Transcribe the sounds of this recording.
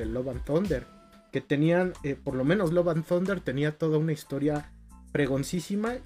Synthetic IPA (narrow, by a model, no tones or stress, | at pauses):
eloβanθond̪eɾ | ke̞t̪e̞nianepo̞ɾlo̞mẽ̞nozloβanθo̞nd̪e̞ɾt̪e̞niat̪o̞ð̞aunaist̪o̞ɾja | pɾe̞ɣo̞nsisima